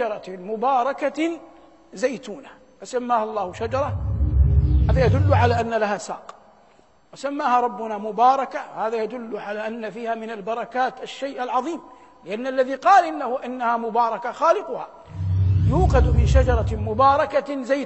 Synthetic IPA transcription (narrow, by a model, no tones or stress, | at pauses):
ɑɾˤɑmʊbɑːɾˤɑka | zajt̪uːna | fasamːaːhalˤːɑːhʊʃad͡ʒɑɾˤɑ | haːðajad̪ʊlːʊʕalaːʔanːalahaːsa̰ːq | wɪsamːaːhaɾˤɑbːʊnamʊbɑːɾˤɑkahaːðajad̪ʊlːʕalaːʔanːafiːhaːmɪnalbɑɾˤɑkaːt̪aʃːajʔalʕɑðˤiːm | lɪʔanːalːaðiqɑːlʔɪnːahʊʔɪnːahamʊbɑːɾˤɑkaxaːlɪqʊha̰ | juːqɑd̪mɪnʃad͡ʒɑɾˤɑmʊbɑːɾˤɑkazaj